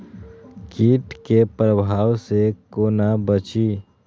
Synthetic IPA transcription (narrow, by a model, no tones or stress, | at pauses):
kiːʈkepɾəbʱaːwsekoːnabət͡ʃiː